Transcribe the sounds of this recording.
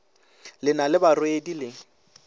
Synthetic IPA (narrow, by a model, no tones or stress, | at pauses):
lɪnalɪbarwedilɪ